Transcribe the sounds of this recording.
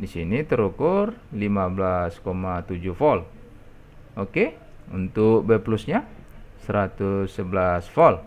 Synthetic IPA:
disinit̪əɾukʊrlimablaskomat̪ud͡ʒufɔl | oke | unt̪ʊk̚bɛplusɲa | səɾat̪usːəbəlasfɔl

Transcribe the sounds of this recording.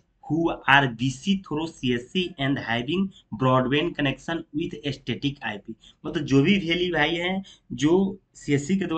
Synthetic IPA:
huaːɾbiːsit̪ʰoːɾosiəsiɛ̃ɳɖɦaɪbɪ̃ŋɡ | bɾɔːɖʋẽːnkənekʃənwɪd̪ʰʱesʈeːʈɪkaːɪpi | mət̪ləbd͡ʒoːbʱibʱeːlibʱaːiɦɛ̃d͡ʒoː | siəsik̬ed̪

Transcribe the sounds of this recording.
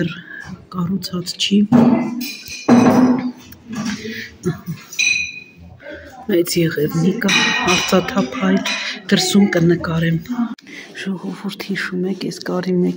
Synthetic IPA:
ɛrkɑrut͡sʰɑt͡st͡ʃʰi | mɛt͡sjɛʁɛvnikəhɑɾt͡sɑt̪ʰɑpʰhɑjt̪d̪̥əɾsumkənəkɑɾɛm | ʒ̥ɔʁɔvuɾt̪ʰhiʃumɛkʰɛ̰skɑɾimɛk

